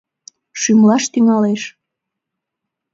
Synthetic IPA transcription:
ʃymlɑʃt̪yŋɑleʃ

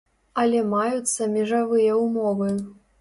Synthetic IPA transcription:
ɐlʲɛmajut̪sːɐmʲɛʐavɨjɐumɔvɨ

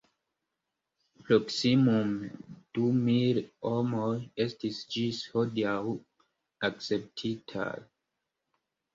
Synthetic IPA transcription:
pɾoksimumd̥umilomojestisd͡ʒishodiaw | akt͡se̞p̚tʰitʰa̰

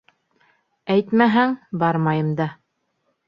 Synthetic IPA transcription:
æjt̪mæɦæŋbɑɾmɑjɤ̆md̪ɑ

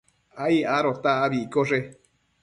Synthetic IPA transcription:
aiaɾot̪aːβikoʐe

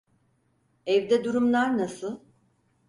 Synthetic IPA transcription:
ɛvd̪ɛd̪uɾumlˠaɾnasɯlˠ

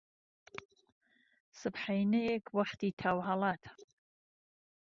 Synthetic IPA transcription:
sɨpħajnɨekʰʼwaħtʰitʰawħalatʰ

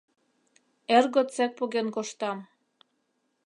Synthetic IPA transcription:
erɣot͡sæk̚poɣenkoʃt̪ɑm

